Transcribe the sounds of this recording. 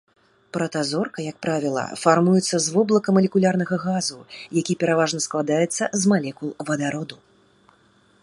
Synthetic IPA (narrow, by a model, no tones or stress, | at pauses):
pɾɐt̪azɔrkɐjɐk̚pɾavʲilˠɐ̰farmujɛt̪sːɐzvɔblˠɐkɐmɐlʲɛkulʲarnɐɣɐɣazujakʲipʲɛɾavaʐnɐsklˠad̪ajɛt̪sːɐzmalʲɛkulˠvɐd̪aɾɔd̪u